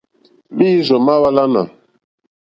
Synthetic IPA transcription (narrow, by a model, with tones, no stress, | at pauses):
bi˦zɔ˨ma˦wa˦la˦na̰˨